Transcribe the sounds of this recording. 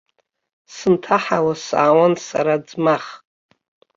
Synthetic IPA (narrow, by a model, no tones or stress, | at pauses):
sɨntʰaħawasa̰ːwansa̰ɾad͡zmaχ